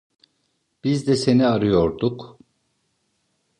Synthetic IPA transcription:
b̥izd̪ɛse̞niaɾɯjo̞ɾd̪uk

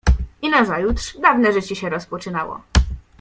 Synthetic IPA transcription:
inazajut̪ʂd̪avnɛʐɘt͡ɕɛɕɛɾɔspɔt͡ʂɘnawɔ̰

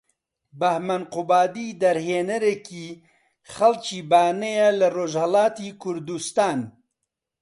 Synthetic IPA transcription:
bɐhmɐnqʊbaːd̪iːd̪ɐɾheːnɐɾekiː | xɐlt͡ʃiːbaːnejelɐroːʒhɐlaːt̪iːkʰʊɾd̪ust̪aːn

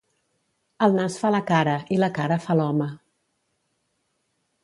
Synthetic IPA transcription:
əlˠnasfaləkaɾəʔiləkaɾəfalɔmə

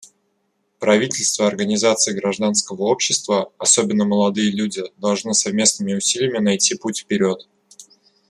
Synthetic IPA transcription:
pɾɐvʲitʲɪlʲst̪vəɐrɡənʲɪzat̪sɨjɡɾɐʐd̪anskəvəo̞pɕːɪst̪vəɐsobʲɪnːəməlˠɐd̪ɨjəlʲudʲɪd̪ɐlˠʐnɨsɐvmʲe̞snɨmʲɪʊsʲilʲɪjəmʲɪnɐjtʲiputʲfʲpʲɪɾʲo̞t̪

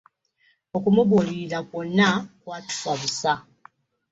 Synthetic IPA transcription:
o̞kumuβuliilakonːakwaːtu̥fwaβusa

